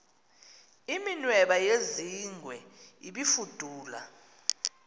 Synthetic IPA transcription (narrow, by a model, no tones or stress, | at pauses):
iminwɛɓajeziŋʱwɛiɓifud̥ʱuːla̰